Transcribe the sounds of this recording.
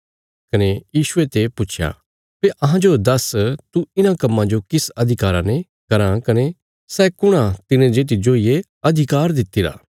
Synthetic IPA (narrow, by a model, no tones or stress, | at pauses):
kɐnejiːʃʊet̪epʊt͡ʃʰja̰ː | peʔɐɦãd͡ʒod̪ɐst̪uɪnãkɐmːãd͡ʒokɪsɐd̪ʱɪkaːɾãnẽ | kɐɾãkɐne | sɛːkʊɽ̃ãt̪ɪnẽd͡ʒeːt̪̬id͡ʒoːije | ɐd̪ʱɪkaːɾd̪ɪt̪ːiɾa̰ː